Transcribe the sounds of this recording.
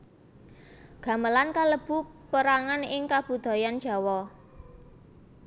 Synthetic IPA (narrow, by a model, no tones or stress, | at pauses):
ɡ̥ä̤məlankaləb̥ṳ | pəɾaŋanɪŋkab̥ud̪̥ɔ̤jan̥ʒ̥a̤wɔ